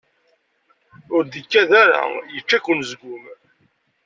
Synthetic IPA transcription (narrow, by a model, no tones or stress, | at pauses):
ʊɾd̪əkːæðaɾa̰jət͡ʃːækːʊnzɡʷʊm